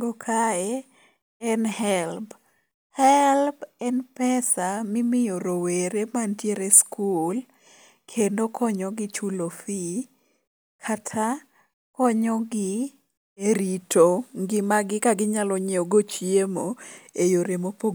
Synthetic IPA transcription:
ɡɔkʰaɛ | ɛnhɛlb | hɛlbɛnpɛsamɪmɪjoɾoweɾemantjeɾeskʰul | kʰendokʰɔɲɔɡɪt͡ʃulofi | kʰatʰa | kɔɲɔɡɪ | eɾitoŋɡɪmaɡɪkaɡɪɲalɔɲeoɡot͡ʃjemoejoɾemopo

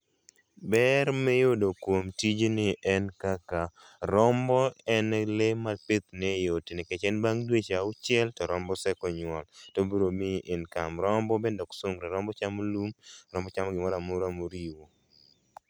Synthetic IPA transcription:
bɛɾmɛjodokwomtid͡ʒenɪʔɛnkaka | ɾɔmbɔɛnɛlemapɪt̪̚nɛjotinɪkɛt͡ʃɛnbaŋdwet͡ʃaʊt͡ʃɪɛltɔɾɔmbɔsɛkɔɲwɔltobuɾomɪʔɪnkamɾɔmbɔbendɔksoŋɡɾeɾɔmbɔt͡ʃamolumɾɔmbɔt͡ʃamɔɡɪmɔɾamʊɾamoɾiwo

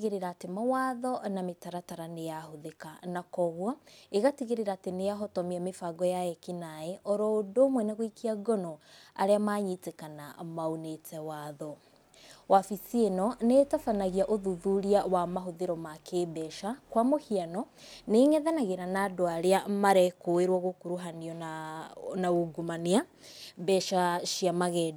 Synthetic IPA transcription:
ɣeɾeɾaːtemawaːðɔnametaɾataɾanejahoðekanakɔɣwɔeɣatiɣeɾeɾaːtenejaɦɔtɔmiamefaɡɔjaɛkinaeɔɾɔodoːmwɛnaɣoikiaɡɔno | a̰ɾeamaɲitekana̰maonetʰɛwaðɔ | wafisienɔnetafanaɣiaʔoðuðuɾiawamaɦoðeɾɔmakebɛʃakwamohianɔneŋɛðanaɣeɾanaːdoaɾeamaɾɛkoeɾwɔɣokuɾuɦaniɔnanaoɡumaniabɛʃaʃiamaɣɛd

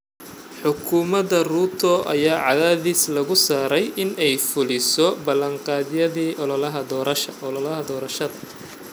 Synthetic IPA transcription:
ħʊkʰʊmɐdɐruːt̪ʰɔʔɐ̰jaːʕɑðaːðislɐɣʊsaːɾɛjʔɪnɛjfʊlɪsɔbɐlɐɴqɑːðɪjɐðiːʔɔlɔlɐɦɐd̪ɔːɾɐʃɐɔllɐɦɐd̪ɔːɾɐʃɐðɐ

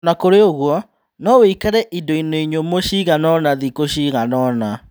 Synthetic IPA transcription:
nakoɾeoɣwɔ | nɔweikaɾɛʔindoinoiɲomoɕiːɣanɔnaðikoɕiːɣanɔna

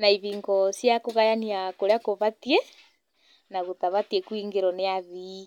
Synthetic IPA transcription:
naiβiːŋɡɔsjakoɣajaniakoɾeakoβatie | naɣotaβatiekwiŋɡeɾɔneaði

